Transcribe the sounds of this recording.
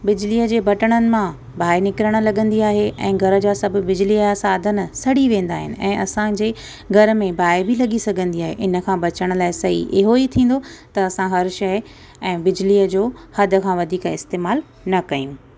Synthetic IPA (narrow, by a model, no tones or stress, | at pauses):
bɪd͡ʑliːəd͡ʑeːbɐʈəɽ̃ənɪ̆mã | bʱaːɪnɪkɾəɽ̃̆lɐɠə̃nd̪iaːɦeʔɛ̰̃ːɡʱɐɾə̆d͡ʑaːsɐb̆ʱbɪd͡ʑliasaːd̪ʱən̆sɐɽiʋẽːn̆d̪aːɦɪ̰nɪ̆ɛ̰̃ːʔɐsãd͡ʑeː | ɡʱɐɾə̆mẽbʱaːɪbʱilɐɠisɐɡʱə̃nd̪iaːɦḛʔɪnə̆kʰãːbɐt͡ɕəɽ̃̆laːɪsɐɦḭʔɪɦoit̪ʰĩːn̆d̪ot̪ɐɐsãɦɐɾʃɐɦ | ɛ̃ːbɪd͡ʑliːəd͡ʑoːhɐd̪ʱə̆kʰãːʋɐd̪ʱiːkɪst̪eːmaːl | nɐkɐj̃ũ